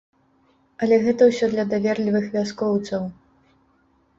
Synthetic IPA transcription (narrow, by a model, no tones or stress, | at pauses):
ɐlʲɛɣɛt̪ɐwsʲɔd̪lʲɐd̪avʲɛrlʲivɨxvʲaskɔwt̪sɐw